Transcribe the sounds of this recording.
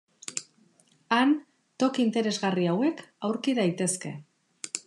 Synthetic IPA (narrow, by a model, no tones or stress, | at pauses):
an | t̪o̞kiint̪e̞ɾe̞zɣariawe̞kawɾkiðajt̪e̞ske̞̰